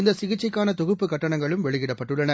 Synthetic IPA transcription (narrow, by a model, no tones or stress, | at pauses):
ɪnd̪ɐsɪɣɪt͡ʃːɐɪkːaːnɐt̪ɔɣɯpːɯkɐʈːɐɳɐŋɡɐɭɯmʋɛɭɪɣɪɽɐpːɐʈːɯɭːɐnɐ